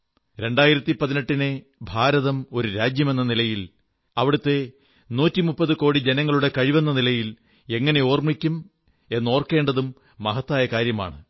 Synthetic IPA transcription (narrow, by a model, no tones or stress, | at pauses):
ɾe̞ɳɖaːjiɾɐt̪ːipɐðineʈːine | bʱaːɾɐðɐmo̞ɾuɾaːd͡ʑjɐme̞nːɐnilɐjil | ɐʋiɽut̪ːe̞ | nuːtːimupːɐðɨko̞ːɽid͡ʑenɐŋːɐɭuɽe̞kɐɻiʋenːɐnilɐjil | e̞ŋːɐne̞o̞ːrmɳikʲːum | e̞nːo̞ːrkːe̞ːɳɖɐðumː | ɐɦɐt̪ːaːjɐkaːɾjɐma̰ːɳɨ